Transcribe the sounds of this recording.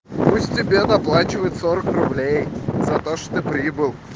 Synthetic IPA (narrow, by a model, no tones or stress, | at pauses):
pusʲtʲtʲɪbʲenɐplˠat͡ɕɪvəjɪt̪soɾəkrʊblʲejz̥ɐt̪oʂt̪o̥t̪ɨpɾʲibɨlˠ